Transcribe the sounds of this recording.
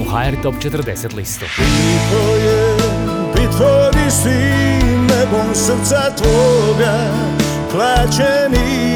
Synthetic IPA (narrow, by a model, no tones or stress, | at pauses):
uhajɛɾt̪opt͡ʃɛt̪rd̪eset̪list̪oit̪ojɛbit̪ʋoɡisinɛbomsɾt̪sat̪ʋoɡa | plaːt͡ʃɛni